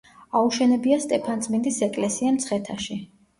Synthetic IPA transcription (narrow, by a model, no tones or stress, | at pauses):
auʃɛnɛbiast̪ʼɛpʰanzmind̪isɛkʼlɛsiamt̪sʰχɛt̪ʰaʃi